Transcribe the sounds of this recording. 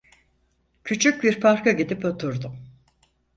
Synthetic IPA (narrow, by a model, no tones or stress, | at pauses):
cʰyt͡ʃʰyc̚biɾpʰaɾkaɟid̪ipo̞t̪ʰuɾd̪ʊm